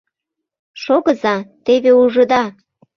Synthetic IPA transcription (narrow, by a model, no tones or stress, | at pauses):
ʃoɣəzɑt̪eβeuʒə̆d̪ɑ